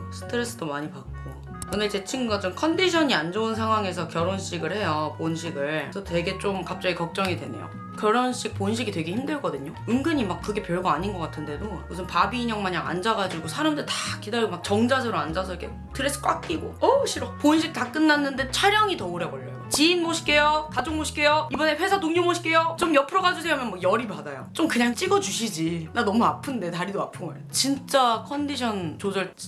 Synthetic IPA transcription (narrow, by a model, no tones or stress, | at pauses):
sʰɯ̥tʰɯɾe̞s͈ɯdomaɲipak̚k͈o | kɯndet͡ɕe̞t͡ɕʰiŋɡuɡat͡ɕomkʰʌndiɕʰʌɲiand͡ʑounsʰaŋɦwaŋe̞s̬ʰʌkjʌɾonɕ͈iɡɯɭhe̞jʌponɕʰiɡɯɭsʰʌtwe̞ɡe̞t͡ɕ͈omkap̚t͡ɕ͈aɡikʌk̚t͡ɕ͈ʌŋidwe̞̰nḛjo̰ | kjʌɾonɕ͈ik̚ponɕ̬ʰiɡitwe̞ɡe̞çimdɯɭk͈ʌdɯɲoɯŋɡɯɲimak̚k͈ːɯɡe̞pjʌɭɡaaɲinɡʌk͈atʰɯnde̞domusʰɯnpabiːɲʌŋmaɲaŋa̰nd͡ʑaɡad͡ʑiɡosʰaɾamdɯɾitḁkidaɾiɡomak̚t͡ɕʌŋd͡ʑasʰɯɾoand͡ʑasʰʌikʰe̞̰ | tɯɾes͈ʰɯ̥k͈wak͈iɡo̰ʌɕʰiɾʌponɕ̬ʰik̚tak͈ɯnːanːɯnde̞t͡ɕʰaɾjʌŋitʌoɾjʌbʌʎːʌ̰jot͡ɕiːnmoɕʰi̥k͈e̞jotad͡ʑoŋmoɕʰi̥k͈e̞joibʌne̞ɸwe̞sʰatoŋɲomoɕʰi̥k͈ejot͡ɕomjʌpʰɯɾʌɡad͡ʑusʰeamjʌnmakjʌɾipadajo̰t͡ɕ͈omkɯɲaŋt͡ɕ͈iɡʌd͡ʑuɕʰid͡ʑinanʌmuapʰɯnde̞taɾidoapʰɯmɯɭt͡ɕint͡ɕ͈akʰʌndiɕʰʌnt͡ɕod͡ʑʌɭ